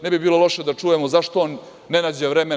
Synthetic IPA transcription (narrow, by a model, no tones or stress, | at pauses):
nɛbibiːlˠo̞lˠo̞ʃed̪at͡ʂujemozaʃt̪oonː | enad͡ʑeʋɾeme